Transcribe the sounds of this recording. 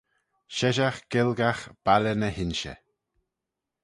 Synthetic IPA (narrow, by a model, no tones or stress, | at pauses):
ʃɛʒaxɡ̥ɪlɡaxb̥alənəhɪnʃə̰